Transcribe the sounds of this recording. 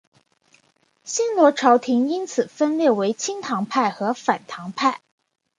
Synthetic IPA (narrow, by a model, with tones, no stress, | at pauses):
ɕɛ˥nlwɔ˧˥ʈ͡ʂʰɑ˧˥ʊt̪ʰi˧˥ŋi˥nt͡sʰɹ̩˨˩fə˥nljɛ˥˩we˧˥ɪt͡ɕʰi˥ŋt̪ʰɑ˧˥ŋpʰa˥˩ɪxɤ˧˥fa˨˩nt̪ʰɑ˧˥ŋpʰa˥˩ɪ